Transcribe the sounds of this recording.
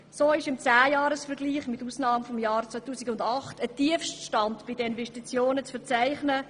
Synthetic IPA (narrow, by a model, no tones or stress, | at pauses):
soːɪʃɪmt͡sæːjɑːɾəsfɛɾɡliːχmɪtusnɑːmfɔmjɑːrt͡sœtuːsɪɡʊndɑχtətiəfʃtʃtɑntb̥idəɪnvɛstit͡sjoːnət͡sfɛɾt͡sæɪχnə